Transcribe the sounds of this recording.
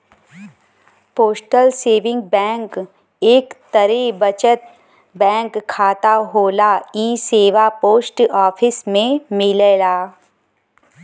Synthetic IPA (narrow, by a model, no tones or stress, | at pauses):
poːsʈəlseːʋɪ̃ŋɡ̚bɛ̃ːŋk | eːkt̪əɾebət͡ʃət̪̚ | bɛ̃ːŋkʰːaːt̪aɦoːlaiːseːʋapoːsʈɔːpʰɪsmẽmɪlelaː